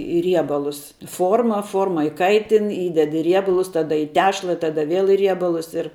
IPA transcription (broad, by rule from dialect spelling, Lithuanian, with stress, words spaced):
ɪ ˈrʲiɛbɐlˠʊs ˈfoːrmɐ ˈfoːrmɐ ɪˈkɐɪtʲɪn ˈiːdʲɛt ɪ ˈrʲiɛbɐlˠʊs ˈtɑːdɐ iː ˈtʲæːʃlˠɐ ˈtɑːdɐ ˈʋʲeːlˠ ɪ ˈrʲiɛbɐlˠʊs ɪr